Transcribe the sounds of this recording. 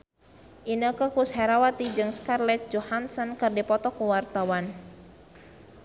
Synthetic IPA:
ʔinəkəkushɛɾawat̪id͡ʒɨŋskarlɛt̪̚d͡ʒɔhansɔnkɨrdipɔt̪ɔkuwart̪awan

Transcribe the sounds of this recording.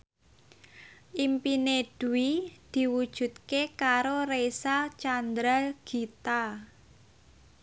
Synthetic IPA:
ʔimpined̥uwid̪̥i̤wud̥ʒ̥ṳt̪̚kekaɾoresat͡ʃand̪ɾalɡ̥i̤t̪a

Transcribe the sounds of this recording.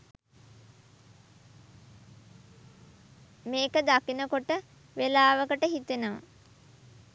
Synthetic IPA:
meːkəd̪akinəkoʈə | ʋelaːʋəkəʈəɦit̪enəmə̰

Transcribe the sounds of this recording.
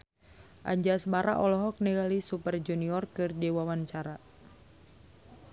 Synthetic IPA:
ʔa̰ɲd͡ʒasbaɾa̰ʔɔlɔɦɔk̚nɛɡalisupərd͡ʒuniɔrkɨrdiwawant͡ʃaɾa

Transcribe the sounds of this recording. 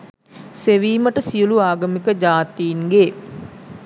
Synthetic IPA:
seʋiːməʈəsijuluaːɡəmikəd͡ʒaːt̪iːnɡe

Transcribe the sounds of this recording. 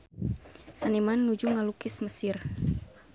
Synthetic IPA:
sanimanːud͡ʒuŋalukɪsməsɪr

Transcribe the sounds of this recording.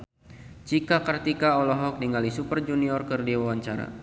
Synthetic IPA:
t͡ʃikakərt̪ikaɔlɔɦɔk̚diŋalisupərd͡ʒuniɔrkərdiwawaɲt͡ʃaɾa̰

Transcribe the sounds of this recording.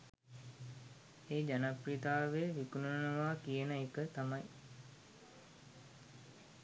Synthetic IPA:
eːd͡ʒanaprid̪aːʋeʋikununənəʋaːkijənəekət̪amaj

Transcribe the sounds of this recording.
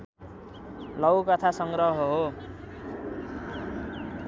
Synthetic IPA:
lʌwkʌt̪ʰasʌŋɡrʌɦʌɦo

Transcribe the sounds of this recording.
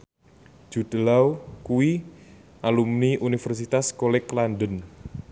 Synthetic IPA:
d͡ʒ̥ṳd̪̥əlawkuwi | ʔalumniʔunifɛrs̬it̪askolɛklanɖən

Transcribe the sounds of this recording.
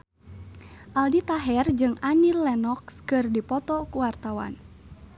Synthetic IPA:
ʔaldit̪aɦɛrd͡ʒɨŋanilːɛnɔkskɨrdipɔt̪ɔkuwart̪awa̰n

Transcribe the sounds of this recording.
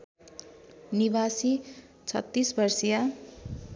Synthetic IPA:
niβasi | t͡sʰʌ̰t̪ːisbʌrsija

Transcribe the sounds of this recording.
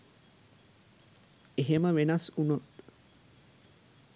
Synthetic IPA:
eɦeməʋenasunot̪

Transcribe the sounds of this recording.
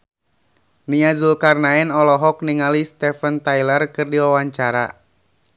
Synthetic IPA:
niazulkarnaɛnɔlɔɦɔk̚niŋalist̪ɛfənt̪ajlərkɨrdiwawaɲt͡ʃaɾa̰

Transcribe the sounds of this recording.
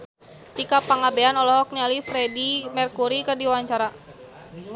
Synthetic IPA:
t̪ikapaŋabeanɔlɔɦɔk̚nialifɾɛdimɛrkuɾikɨrdiwaɲt͡ʃaɾa

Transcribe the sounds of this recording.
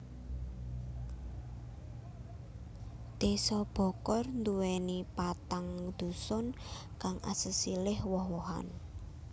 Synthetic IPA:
t̪esɔb̥ɔ̤kɔrnd̪uwɛnipat̪aŋd̪̥ṳsɔn | kaŋʔa̰səsilɪhwɔhwɔɦa̰n

